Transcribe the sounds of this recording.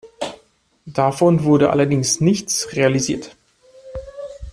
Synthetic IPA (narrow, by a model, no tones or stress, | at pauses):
d̥afɔnvʊɐɾəʔa̰lɐdɪŋsnɪçt͡sʁealiziːɐt